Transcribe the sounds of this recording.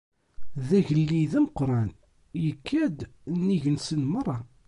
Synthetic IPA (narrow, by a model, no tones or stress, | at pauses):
ðæʝəlːiðæməqɾˤɑn | jəkʰːæd̪nːiʝənsənmərˤːɑ